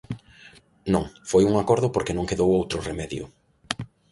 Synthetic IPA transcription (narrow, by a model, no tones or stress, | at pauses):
nõŋfojuŋakɔɾðʊpoɾkenõŋkeðowowt̪ɾʊremɛðjʊ̰